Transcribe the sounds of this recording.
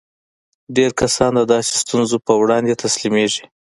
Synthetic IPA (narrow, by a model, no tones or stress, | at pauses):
ɖeɾkasɑnd̪əd̪ɑse̥st̪unzopəwɽɑnd̪et̪aslimeʐi̥